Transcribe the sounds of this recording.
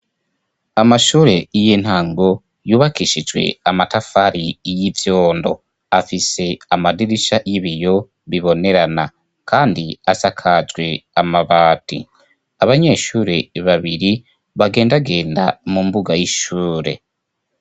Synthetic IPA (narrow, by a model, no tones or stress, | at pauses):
amaʃuːɾe̞jin̥haːŋɡo̞ | juːβakiːʃid͡ʒwe̞̰amatafaɾijivjo̞ːndo̞̰ | afise̞amadiɾiʃajiβijo̞ | βiβo̞ne̞ɾana | kʰaːndiasakʰad͡ʒɡwe̞amaβaːtḭ | aβaɲe̞ʃuːɾe̞βaβiɾi | βaɡe̞ːndaɡe̞ːnda̰mumbuɡajiʃuːɾe̞̰